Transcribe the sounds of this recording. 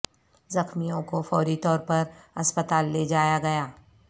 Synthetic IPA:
zɐxmijõkofɔːɾit̪ɔːɾpɐɾɐspət̪aːlːeːd͡ʒaːjaɡɐjaː

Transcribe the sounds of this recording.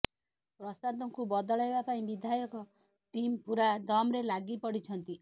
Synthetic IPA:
pɾɔsad̪ɔŋkubɔd̪ɔɭɔebapaĩbid̪ʱajɔkɔ | ʈimpuɾad̪ɔmɾelaɡipɔɽit͡ʃʰɔnt̪i

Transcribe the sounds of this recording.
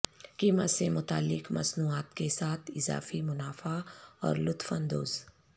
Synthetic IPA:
kimət̪semʊt̪a̰ːlːɪkmɐ̰snuːaːt̪kesaːt̪ʰɪza̰ːfimʊnaːfaɔ̰ːɾlʊt̪fənd̪o̰ːz

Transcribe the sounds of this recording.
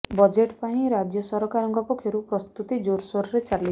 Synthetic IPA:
bɔd͡ʒeʈpaĩɾad͡ʒjɔsɔɾɔkaɾɔŋkɔpɔkʰjɔɾupɾɔst̪ut̪id͡ʒoɾsɔɾɔɾet͡ʃali

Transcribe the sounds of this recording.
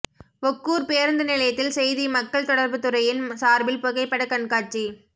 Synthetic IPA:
ʔɔkːuːɾpeːɾnd̪ɐnɪlɐjɐt̪ːɪlsɛjðimɐkːɐɭt̪ɔɽɐɾbɯt̪ɯɾɐjɪnsaːɾbɪlpɔɣɐɪpːɐɽɐkɐɳkaːʈ̚t͡ʃi

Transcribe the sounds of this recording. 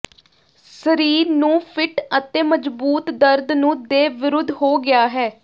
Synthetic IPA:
səɾiːɾnũːpʰɪʈət̪eːməd͡ʒbuːt̪d̪əɾd̪nũːd̪eːʋɪɾʊd̪ʱːɦoːɡɪaːɦɛː

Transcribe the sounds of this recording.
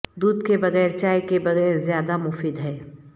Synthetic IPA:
d̪uːd̪kebɐɣɛːɾt͡ʃaːjkebɐɣɛːɾzjaːd̪amʊfiːd̪ɦɛː

